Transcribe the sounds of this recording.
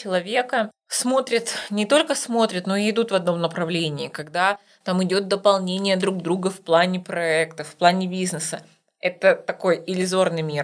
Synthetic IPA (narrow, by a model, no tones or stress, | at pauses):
t͡ɕɪlˠɐvʲe̞kə | smo̞t̪ɾʲɪt̪nʲɪt̪o̞lʲkəsmo̞t̪ɾʲɪt̪no̞ɪɪd̪ut̪vɐd̪no̞mnəpɾɐvlʲenʲɪːkɐɡd̪a | t̪amɪdʲo̞t̪̚d̪əpɐlˠnʲenʲɪjəd̪ɾuɡ̚d̪ɾuɡəfplˠanʲɪpɾɐɛkt̪əfplˠanʲɪbʲiznɨsə | ɛt̪ət̪ɐko̞jɪlʲɪzo̞rnɨjmʲir